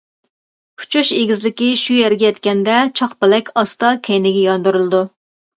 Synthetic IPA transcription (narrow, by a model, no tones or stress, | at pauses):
pʰu̥t͡ʃʰuʃeɡʲizlɪkʲiʃujɛɾɡʲɛjɛt̪kʲɛnd̪ɛt͡ʃʰɑχpɪlɛkʲʰɑst̪ɑkʲʰɛjnɪɡʲɛjɑnd̪uɾɨlˠɨd̪u